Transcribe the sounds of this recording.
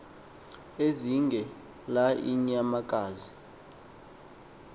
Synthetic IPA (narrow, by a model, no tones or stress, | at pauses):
eziŋɡʱɛ | laʔḭɲamakʼaːzi